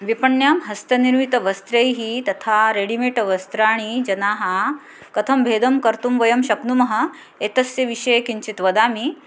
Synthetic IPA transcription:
ʋipɐɳjaːmɦɐst̪ɐniɾmit̪ɐʋɐst̪ɾejɦiːt̪ɐt̪ʰaɾeɽimiʈɐʋɐst̪ɾaːɽ̃id͡ʑɐnaːɦa | kɐt̪ʰɐmbʱeːd̪ɐmkɐɾt̪umʋɐjɐmɕɐknumɐɦɐ | et̪ɐsjeʋiʂejkiɲt͡ɕit̪ʋɐd̪aːmi

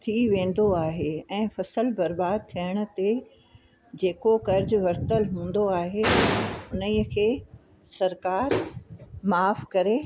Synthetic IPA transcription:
t̪ʰiʋẽːn̆d̪oaːɦeɛ̃ːfɐsəlbɐɾbaːd̪̚t̪ʰiəɽ̃ʊ̆t̪e | d͡ʑeːkokɐɾd͡ʑʊʋɐɾt̪əlɦũːn̆d̪oaːɦeʊnəikʰeː | sɐɾkaːɾ | maːfkɐɾe

